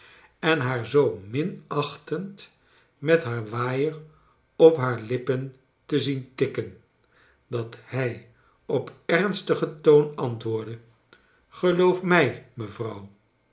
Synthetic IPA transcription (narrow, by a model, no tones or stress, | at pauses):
ɛnɦaːɹzowmɪnɑχtənt | mɛtɦaːɹʋaːjər | ɔpɦaːɹlɪpən | təzintɪkən | dɑthɛj | ɔpɛrnstəχətownɑntʋʊːɹdə | χəlowfmɛjməvrɑw